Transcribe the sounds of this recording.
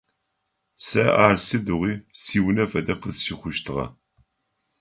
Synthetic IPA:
sɐʔaːrsɨdɨʁʷiːsiːwnɐfɐdɐqəzʃiχʷʊʃtʰɨʁɐ̰

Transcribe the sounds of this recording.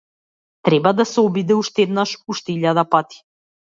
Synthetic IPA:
t̪ɾɛbad̪asɛɔbid̪ɛuʃt̪ɛd̪naʃuʃt̪ɛiʎad̪apat̪i̥

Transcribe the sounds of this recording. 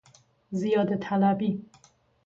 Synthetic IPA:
zijɒːd̪ət̪ʰalabi

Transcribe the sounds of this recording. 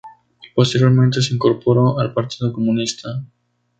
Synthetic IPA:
ipost̪eɾjo̞ɾmẽnt̪es̬eiŋko̞ɾpoɾoalpaɾt̪iðokomũnist̪ʰa

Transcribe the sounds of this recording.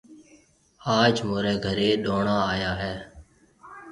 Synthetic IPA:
aːd͡ʒmoːɾɛːɡʱəɾeːɗoːɳaːaːjaːɦɛː

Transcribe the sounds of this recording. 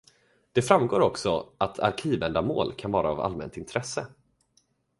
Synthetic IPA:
d̪̥ɛfɾamɡoːɾɔksɔat̪ʰa̰ɾkʰiːvɛnd̪amoːlkʰanvɑːɾaːva̰lmɛ̰nt̪ɪnt̪ʰɾɛsːə

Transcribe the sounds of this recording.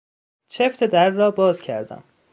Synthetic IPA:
t͡ʃʰeft̪ʰed̪æɾdːɒːbɒːzcʰæ̰ɾd̪æ̰m

